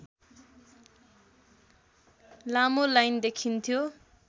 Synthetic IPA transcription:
lamolajnd̪ekʰint̪ʰjo

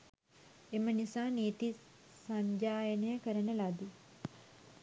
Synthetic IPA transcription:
emɐnisaːneːt̪i | sɐɲd͡ʒaːjənɐjəkɐɾɐnelaːd̪i

